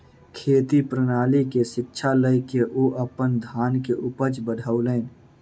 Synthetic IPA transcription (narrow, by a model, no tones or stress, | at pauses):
kʰeːt̪ipɾənaːlikesɪkt͡ʃʰaləɪkeʔuʔəpənd̪ʱaːnkeʔʊpət͡ʃbəɽʱauləːn